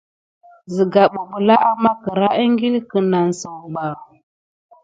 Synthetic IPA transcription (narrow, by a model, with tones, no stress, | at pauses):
zi˨ɡa˨ɓu˨ɓu˨la˦ʔa˦ma˦kə˨ɾa˦ʔə˦ŋɡi˦lkə˨na˨n˨sə˨wɓa˨